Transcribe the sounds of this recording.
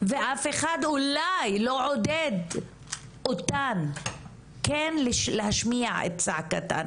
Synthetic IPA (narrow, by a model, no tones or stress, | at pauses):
veʔafe̞χad̪ulajloʕod̪ed̪ | ʔotan | kenlʃlehaʃmiaʕḛt̪̚t͡saʕkat̪a̰n